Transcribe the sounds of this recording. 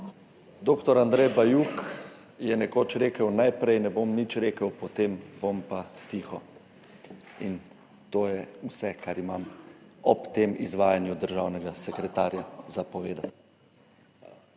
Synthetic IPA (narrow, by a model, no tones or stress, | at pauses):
d̪oːkt̪ɔɾand̪ɾɛjbajuk | jɛnɛkot͡ʃɾeːkəwnajpɾɛjnɛbomnit͡ʃɾeːkəwpɔt̪embompat̪iːxɔ | in | t̪oːjɛusɛkaɾimamɔpt̪eːmḭzʋaːjanjud̪əɾʒawnɛɡasɛkɾɛt̪aːɾjazapɔʋeːd̪at̪